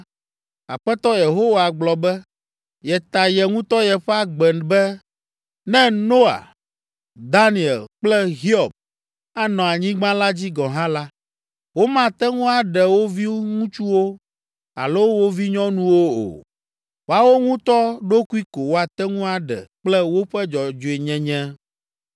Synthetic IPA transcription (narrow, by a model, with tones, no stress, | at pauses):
a̰˨ɸɛ˦t̪ɔ˦je˨ɦo˦wa˨ɡ͡blɔ˨bɛ˦ | jɛ˨t̪a˨jɛ˨ŋũ˦t̪ɔ˦jɛ˨ɸɛ˦a˦ɡ͡bɛ˨nbɛ˦ | nɛ̃˦no˦a̰˨ | d̪a˦ni˨ɛ˨lk͡plɛ˦ɦi˦ɔ˨b̚ | a˦nɔ̃˨a˨ɲĩ˦ɡ͡bã˦la˦d͡ʑi˦ɡɔ̃˨ɦã˦la˦ | wo˦mã˦t̪ɛ˦ŋũ˦a˨ɖɛ˨wo˦vi˦ŋũ˦t͡ʃu˦wo˦ | a̰˨lo˦wo˦vi˦ɲɔ̃˦nũ˦wo˦o̰˨ | wo˦a˦˨wo˦ŋũ˦t̪ɔ˦ɖo˦ku˦i˦ko˨wo˦a˨t̪ɛ˦ŋũ˦a˨ɖɛ̰˨k͡plɛ˦wo˦ɸɛ˦d͡ʒɔ˨d͡ʒo˨e˨ɲɛ̃˨ɲɛ̃˦